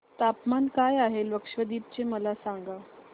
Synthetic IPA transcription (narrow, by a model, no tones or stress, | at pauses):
t̪apmankajaɦelʋəkʂʋəd̪iːp̚t͡ɕeməlasaŋɡa